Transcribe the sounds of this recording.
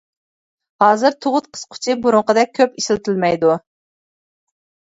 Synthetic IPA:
hɑːzɨɾt̪ʰoʁʊt̪̚qʰə̥sqʰʊ̥t͡ʃʰibuɾʊɴqəd̪ɛk̚ʲʰøpiʃɪlt̪ʰɪlmɛjd̪u

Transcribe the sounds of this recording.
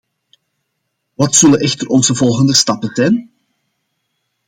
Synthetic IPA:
ʋɑtsɵləʔɛxtərɔnzəvɔlˠɣəndəstɑpətɛːn

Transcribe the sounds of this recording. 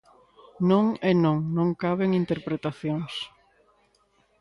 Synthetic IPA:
nõŋenõŋnõŋkaβeŋint̪eɾpɾet̪aθjoŋs

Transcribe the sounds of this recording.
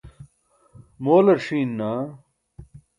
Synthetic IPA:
moːlɐɾʂiːnːaː

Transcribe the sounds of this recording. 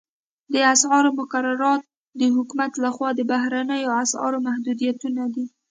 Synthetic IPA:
d̪əasʕɑɾomʊkaɾaɾɑt̪̚ | d̪əɦʊkumat̪laxwɑd̪əbaɦɾanəjoaasɑ̰ɾomahd̪ud̪ijat̪unad̪i

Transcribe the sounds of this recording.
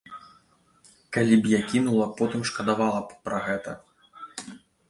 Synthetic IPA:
kalʲibjakʲinulˠɐpɔt̪ɨmʂkɐd̪avalˠɐpɾɐɣɛt̪ɐ

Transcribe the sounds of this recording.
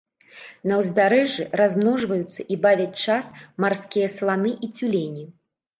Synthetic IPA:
nɐwzʲbʲaɾɛʐɨrazmnɔʐvɐjut̪sːɐʔibavʲɐt͡sʲt͡ʂasmarskʲijɐslˠanɨʔit͡sʲulʲenʲi

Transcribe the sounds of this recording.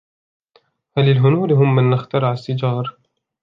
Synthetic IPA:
halːɪlɦʊnuːɾɦʊmːɪnːɪxt̪ɑɾʕasːɪd͡ʒɑːɾˤ

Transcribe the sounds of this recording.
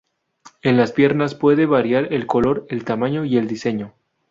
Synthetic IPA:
e̞nlaspje̞ɾnaspwe̞ðe̞βaɾjaɾe̞lko̞lo̞ɾelt̪amãɲo̞ie̞ld̪ise̞ɲo̞

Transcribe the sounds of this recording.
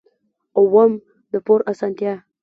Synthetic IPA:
owəm | d̪əpoɾasant̪jɑ

